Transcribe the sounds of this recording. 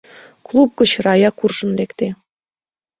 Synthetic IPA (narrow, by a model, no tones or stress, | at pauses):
klˠup̚ɡə̆t͡ɕrɑjɑkurʒɤ̆nlekt̪e